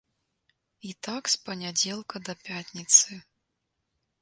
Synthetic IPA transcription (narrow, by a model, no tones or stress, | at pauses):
it̪akspɐnʲad͡zʲɛlˠkɐd̪ɐpʲatʲnʲit̪sɨ